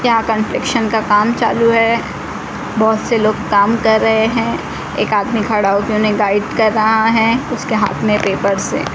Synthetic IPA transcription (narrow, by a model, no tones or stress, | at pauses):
jɐɦãkə̃nʈɾɪkʃənkakaːmt͡ʃaːluɦɛ | bɔːʊt̪seloːɡkaːmkɐɾːɐɦeɦɛ̃ | eːkaːd̪mikʰɐɽaːokeʊnɦẽɡaːɪɖkɐɾːɐɦaɦɛ̃ʊskeɦa̰ːt̪ʰmẽpeːpəɾsḛː